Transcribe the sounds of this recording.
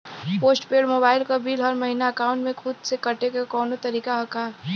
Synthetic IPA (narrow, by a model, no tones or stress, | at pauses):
poːsʈpeːɽmoːbaːɪlkabiːlɔːɾmɐɦinaɐkaːʊ̃ɳʈmẽkʰʊd̪sekɐʈekakɔːnot̪ɐɾiːkaɦɐkaːɾ